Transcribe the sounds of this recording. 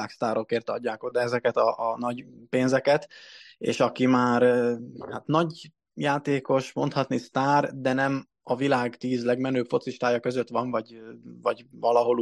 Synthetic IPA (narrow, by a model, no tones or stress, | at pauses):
aːkst̪aːɾo̞keːrt̪ɒ̰ɟːaːko̞d̪aɛzɛkɛt̪ɒʔnɒɟpeːnzɛkɛt̪ḛːʃɒkimaːɾhat̪nɒɟ | jaːt̪eːko̞ʃmo̞̰nt̪hɒt̪nist̪aːrd̪ɛnɛm | ɒvilaːɡt̪iːzlɛɡmɛnøːpfo̞t̪siʃt̪aːjɒkøzøt̪ʋɒɱvɒɟvɒɟvɒlɒɦo̞l